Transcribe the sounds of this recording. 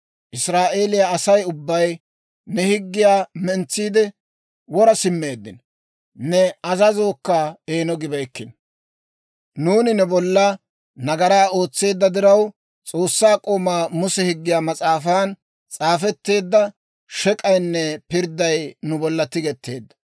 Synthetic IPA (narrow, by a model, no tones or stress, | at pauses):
ʔɪsɾaːʔe̞ːlɪjaːsɐjʊbːɐj | nɛhɪɡːɪjaːmɛnt͡sːiːd̪ɛ | wɔɾɐsɪmːe̞ːd̪ːɪn | nɛɐzɐzo̞ːkːɐeːnɔɡɪbɐjkːɪn | nuːnɪnɛbɔlːɐ | nɐɡɐɾaːo̞ːt͡sːe̞ːd̪ːɐd̪ɪɾɐw | t͡sʼo̞ːsːaːkʼoːmaːmʊsɛhɪɡːɪjaːmɐt͡sʼaːfaːn | t͡sʼaːfɛt̪ːe̞ːd̪ːɐ | ʃɛkʼɐjnːɛpɪɾd̪ɐjnʊbɔlːɐt̪ɪɡɛt̪ːe̞̰ːd̪ːɐ̥